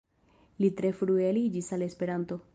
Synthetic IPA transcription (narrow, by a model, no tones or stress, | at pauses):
litɾe̞fɾuelid͡ʒisale̞spe̞ɾanto̞